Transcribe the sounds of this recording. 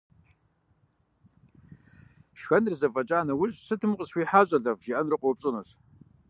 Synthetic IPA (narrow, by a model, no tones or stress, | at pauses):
ʃxɐnrzɐfʼɐt͡ʃʼaːnɐwʊɕʼsɨtʰɨmqʼəswiħaɕʷʼɐɮɐvʒiʔɐnrɨqʷʼowpʼɕʼɨnɨs